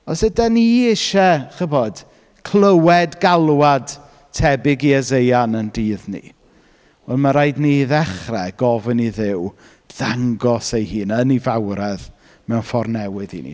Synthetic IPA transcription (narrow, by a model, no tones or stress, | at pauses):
ɔsədaniɪʃɛχəvɔd̥ | kʰl̥ˠəwɛdɡalˠwad | tʰɛbɪɡiɛzejanəndiːðnḭ | vɛlˠmaɾajdniðɛχrɛɡ̥ɔvəniðɪw | ð̥aŋɡɔsejhiːnənivawɾɛð | mɛwnfɔrnɛwɨðḭnḭ